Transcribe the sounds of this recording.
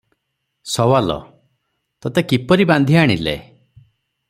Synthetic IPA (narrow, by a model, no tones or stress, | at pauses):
sɔwalɔ̰ | t̪ɔt̪ekipɔɾiband̪ʱiaɽ̃ḭlḛ